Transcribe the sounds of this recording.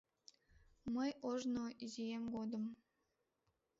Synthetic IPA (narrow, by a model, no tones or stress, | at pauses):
məjoʒnoizijemɡod̪ə̆m